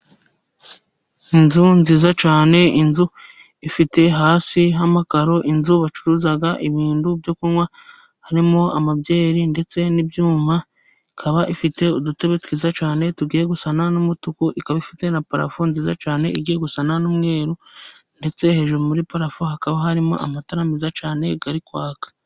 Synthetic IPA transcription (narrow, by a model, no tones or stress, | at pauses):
inzunziːzat͡ʃaːne̞inzu | ifite̞ɦaːsiɦamakaɾo̞ʔinzuβat͡ʃuɾuzaɡaʔiβiːndubjokuŋwa | haɾimo̞amabjɟe̞ːɾinde̞t͡se̞nibjuːma | ikʰaβaʔifite̞udute̞βetwiːzat͡ʃaːne̞tuɡiːɾe̞ɡusananumutukuʔikaβaifite̞napaɾa̰funziza̰t͡ʃaːne̞iɡiːɾe̞ɡusananumŋe̞ːɾunde̞t͡se̞he̞ʒumuɾipaɾafuhakaβaɦaɾimo̰ʔa̰mataɾamizat͡ʃaːne̞ɡ̥aɾikwaːkḁ